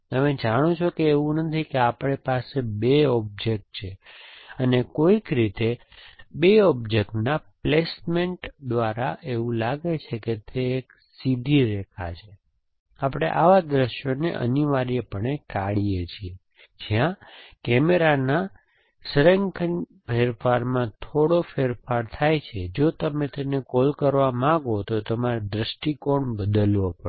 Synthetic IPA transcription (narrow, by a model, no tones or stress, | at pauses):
t̪əmed͡ʒaɽ̃ot͡ʃʰokeeʋũnət̪ʰikeapɽ̃epasebeɔb̚d͡ʒek̚ʈ̚t͡ʃʰeənekoikɾit̪e | beɔb̚d͡ʒekʈnaplesmeɳʈd̪ʋaɾaʔeʋũlaɡet͡ʃʰeket̪ʰeːk | sid̪ʱiɾɛkʰat͡ʃʰe | apɽ̃ḛʔa̰ʋad̪ɾəʃjonḛʔə̰niʋaɾijepəɳekaɽijet͡ʃʰie | d͡ʒijãkɛmeɾana | sɾeŋkən | pʰeɾfʰaɾmãt̪ʰoɽofʰeɾfaɾt̪ʰajt͡ʃʰed͡ʒot̪əmet̪enekolkəɾʋamãɡot̪ot̪əmaɾed̪ɾəʃʈikoɳbəd̪əlʋopə